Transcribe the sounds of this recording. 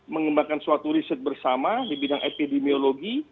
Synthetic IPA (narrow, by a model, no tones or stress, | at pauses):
məŋəmbakansuat̪uɾisət̪̚bərsamadibidaŋʔepidemioloɡi